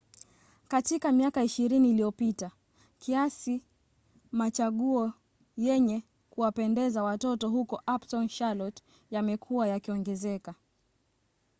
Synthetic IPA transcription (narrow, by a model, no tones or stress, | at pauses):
katikamiakaiʃiɾiniːliɔpita | kiasi | mat͡ʃaɠuɔ | jɛɲɛ | kuwapɛndɛzawatɔtɔɦukɔʔapsɔnʃalɔt | jamɛkʰuwajakiɔŋɡɛzɛka